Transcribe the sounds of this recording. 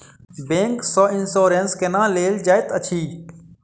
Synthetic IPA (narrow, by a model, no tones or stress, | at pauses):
bẽːŋksɔːɪnsoːɾẽːnskenãːleːld͡ʒaːɪt̪ət͡ʃʰiː